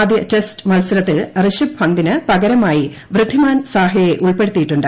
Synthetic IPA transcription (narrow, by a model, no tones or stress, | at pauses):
d̪jɐtestmɐlsɐlɐt̪ːilrɨɕibhɐnd̪inɨpɐɣɐɾɐmaːji | ʋrɨd̪ʱːimaːnsaːɦɐjeʔuɭpeɽut̪ːijiʈːuɳɖɨ